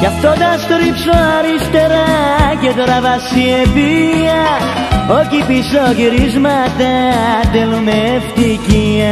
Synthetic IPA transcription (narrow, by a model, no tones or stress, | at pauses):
kaft̪oðast̪oɾipsoaɾist̪eɾaket̪oɾavasiepiɐ | ocipisoʝiɾizmat̪at̪elumeft̪iciɐ